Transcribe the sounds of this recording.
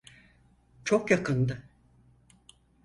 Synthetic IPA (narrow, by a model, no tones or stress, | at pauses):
t͡ʃʰokjakʰɯnd̪ɯ